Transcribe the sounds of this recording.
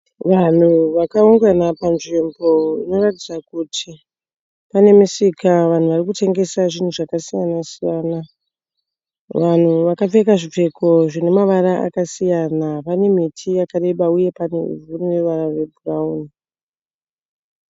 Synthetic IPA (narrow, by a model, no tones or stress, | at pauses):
ʋan̤uʋakauŋɡanapanʐimbo̞ḭno̞ratid͡zakutʰi | pane̞misikaʋan̤uʋarikutʰe̞ŋɡe̞saʐin̤uʐakasijanasijaːna | ʋan̤uʋakafe̞kaʐip͡fe̞ko̞ʐine̞maʋaɾaʔa̰kasijanapane̞m̤itʰijakare̞ɓauje̞paneṵvuniwe̞ʋaɾare̞bʱurauni